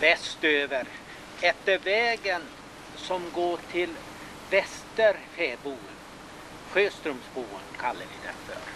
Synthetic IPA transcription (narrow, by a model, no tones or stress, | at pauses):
v̥ɛst̪øːvəɾ | ɛt̪ːəɾvɛːɡən | sɔmɡoːʈʰɪl | vɛst̪əɾfeːbuːən | ɧøːst̪ɾɵmsbuːə̰nkʰalːəvɪd̪ɛ̰nfœ̰ɾ